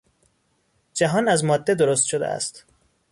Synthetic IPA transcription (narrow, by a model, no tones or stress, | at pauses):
d͡ʒæɦɒːnæzmɒːd̪ːe̞d̪oɾost̪ʃod̪ḛæ̰st̪